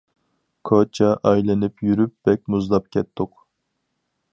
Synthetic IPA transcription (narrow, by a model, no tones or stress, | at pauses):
kʰot͡ʃʰɑʔɑjlɪnɪpʰjyɾyp̚b̥ɛk̚ʲmuzlˠɑp̚kʲʰɛt̪ːʊq